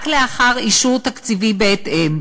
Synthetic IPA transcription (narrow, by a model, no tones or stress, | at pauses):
kleaχaʁiʃuʁt̪akt͡sivibeet̪ʔem